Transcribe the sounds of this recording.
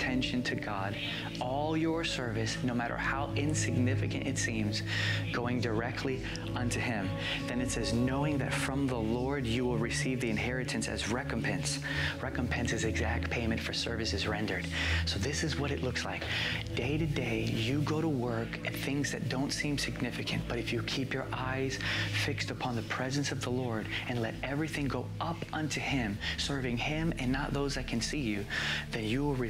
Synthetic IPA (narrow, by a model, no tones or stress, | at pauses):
tʰɛ̃nʃɨ̃ntʰɨɡɑd | ɔlˠjə˞sɜ˞vɨsnoʊmæɾə̰˞haʊʔɪ̃nsɨɡ̚nɪfɨkɨ̃ñʔtɨtsĩmz̥ | ɡ̥oʊɪ̃ŋdə˞ɛk̚tʰˡli | ʌ̃ntʰʉɪ̃m | ðɨ̃nɨtsɛznoʊɪ̃ŋðɨ̰tfɹʌ̃mðəlɔɹdjɨwɪlˠɹɨsivðiɨ̃nɦɛɹɨɾɨ̃nsɨ̰zɹɛkə̃mpʰɛ̃ns | ɹɛkə̃m̩pʰɛ̃nsɨzɨɡzæk̚t̚pʰẽɪ̃mɨ̃ntfə˞sɜ˞vɨsɨzɹɛ̃ndə˞d̥̚soʊðɪsɨzwʌɾɨʔˡlʊksla̰ɪk̚d̥eɪɾɨdeɪjɨɡoʊɾəwɜ˞kɨ̃nθɪ̃ŋzðɨt̚d̥õʊ̃ntsĩmsɨɡ̚nɪfɨkʰɨ̃nb̥ʌɾɨfjɨkʰipjə˞ʔaɪz̥fɪkstəpʰɑ̃nðəpʰɹ̥ɛzɨ̃nsʌvðəlɔɹɾɨ̃nlɛɾɛvɹiθɪ̃ŋɡoʊʔʌpʌ̃ntʰʉɪ̃msɜ˞vɪ̃ŋɪ̃mɨ̃nːət̪̚ðoʊzðɨt̚kʰɨ̃nsijʉðɨ̃njɨwɪlˠɹi